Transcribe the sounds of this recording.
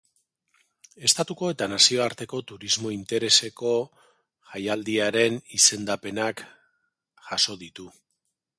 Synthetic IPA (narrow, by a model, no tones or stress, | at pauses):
e̞st̪at̪uko̞e̞t̪anasio̞aɾt̪e̞ko̞t̪uɾizmo̞int̪e̞ɾe̞se̞ko̞ | ʝajald̪iaɾe̞nise̞nd̪ape̞nak | ʝaso̞ðit̪u